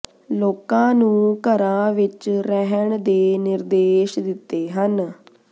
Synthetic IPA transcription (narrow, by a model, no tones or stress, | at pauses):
loːkãːnũːkəɾãːʋɪt͡ʃɾɛɦəɳd̪eːnɪɾd̪eːʃd̪ɪt̪ːeːɦən